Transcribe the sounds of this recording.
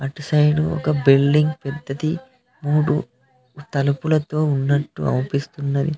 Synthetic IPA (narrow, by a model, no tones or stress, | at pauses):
ɐʈsɐjɖuɔ̰kɐbilɖiŋɡpɛd̪ʱːɐt̪i | muːɽu | t̪ɐlɐpulɐt̪o̞ːunːɐʈːṵɐ̰mpist̪unːɐɾi